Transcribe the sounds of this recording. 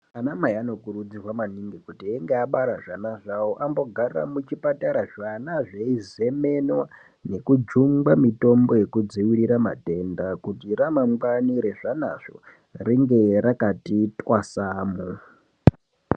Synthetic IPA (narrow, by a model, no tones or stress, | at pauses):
anamaiano̞kuɾud͡zirwamaniŋɡikutieŋɡeaɓaɾaʐanaʐawoʔambo̞ɡʱara̰mut͡ʃipataɾaʐanaʐeize̞me̞nwa | ne̞kud͡ʒuŋɡamito̞mbo̞je̞kud͡ziwiɺiɾama̰te̞ndakutiramaŋɡaniɾe̞ʐana̰ʐ̥o̰ | riŋɡe̞ɾakatitʼwasaːmu